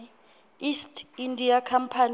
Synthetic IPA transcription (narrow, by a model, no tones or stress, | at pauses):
istʰindʱiakʰam̩pʰan